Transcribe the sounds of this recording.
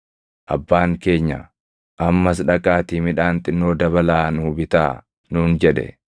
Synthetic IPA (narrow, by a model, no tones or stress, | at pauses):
ʔɐ̰bːaːŋke̞ːɲːɐ̰ | ʔɐmːɐsᶑɐkʼaːt̪iːmɪᶑaːnt̪ʼɪnːoːd̪ɐβɐlaːnʊbɪt̪aː | nuːnd͡ʒɛᶑɛ̰